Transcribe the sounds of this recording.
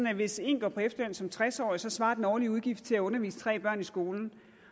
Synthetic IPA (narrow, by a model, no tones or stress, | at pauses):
n̩æʋe̝se̝̰ːnɡ̥ɒ̰ːpʰɒ̽efd̥ɐlønsɒ̽mt͡sʰʁasɒ̰ːisɒ̽sʋɑ̈ːd̥enɒːliuðˠɡ̥ifd̥t͡sʰe̝læɔ̽nɐʋḭːsə̥t͡sʰʁɛ̰ːb̥ɶɐ̰nisɡ̥o̝ːln̩